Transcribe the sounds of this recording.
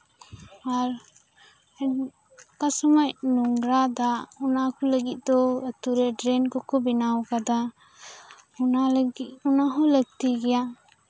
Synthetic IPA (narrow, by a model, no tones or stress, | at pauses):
aɾ | kasɔmajnuŋɾad̪aunakɔləɡit̪̚ˀd̪ɔət̪uɾɛɖɾɛnkɔkɔbinawkad̪a | unaliunaɦɔləɡ̚t̪iɡɛja